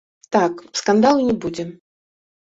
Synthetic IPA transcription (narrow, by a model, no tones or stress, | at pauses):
t̪akskand̪alˠnʲɛbud͡zʲɛ